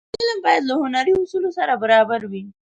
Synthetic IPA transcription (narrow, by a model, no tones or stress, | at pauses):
ɪlmbɑjad̪lahʊnaɾiʊsulosaɾabaɾɑbaɾwi